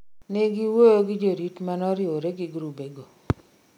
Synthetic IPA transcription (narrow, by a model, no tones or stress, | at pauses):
neɡiwojoɡɪd͡ʒoɾitmanɔɾjoɾeɡɪɡɾubeɡo